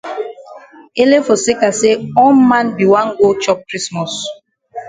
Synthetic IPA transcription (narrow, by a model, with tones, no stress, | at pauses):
e˦le˦fo˨se˦ka˨se˦ɔ˦mã˦nbi˨wã˦nɡo˦t͡ʃɔ˦p̚kɾi˦smɔ˨s